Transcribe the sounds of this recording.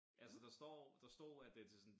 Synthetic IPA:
ʔælsəd̥ɑ̈sd̥ɒ̰ːd̥ɑ̈sd̥ɒ̰ːæd̥e̝t͡sʰe̝sɔn

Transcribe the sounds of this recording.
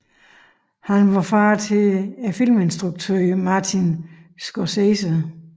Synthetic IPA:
hænʋɑ̈fɑːt͡sʰe̝æfil̰me̝nsd̥ʁuɡ̥̚t͡sʰøːmɑ̈ːt͡sʰinsɡ̥ɒsesə

